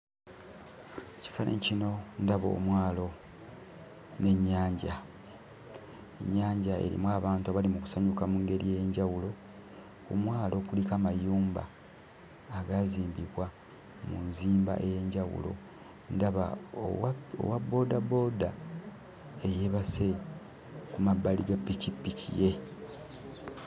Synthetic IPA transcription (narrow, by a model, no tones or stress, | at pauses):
eci̥fanḛcino̞ndaβo̰ːmwaːlo̞ | ne̞ɲːaːɲɟa | ḛɲːaːɲɟae̞̰ɾḭmwaːβaːntuaβalimuku̥saɲukamuŋɡe̞ɾijejeɲɟawulo̞ | umwaːlo̞kulikamajuːmba̰ː | ɡaziːmbiβwa | munziːmba̰ʔeje̞ɲɟawṵlo̞̰ | ndaβa̰ | o̰wabo̞ːdabo̞da | eje̞βase | kumabːaliɡapːicipːicḭje̞